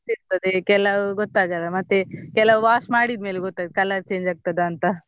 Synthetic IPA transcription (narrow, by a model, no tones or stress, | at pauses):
iɾt̪ɐd̪ekɛlːɐɡot̪ːaːɡɐlːɐmɐt̪ːekɛlɐʋaːsmaːɽid̪me̞ːleɡɔt̪ːaːɡd̪kɐlːɐɾt͡ʃe̞ːɲd͡ʒaːɡ̚t̪ɐd̪eɐnt̪ɐ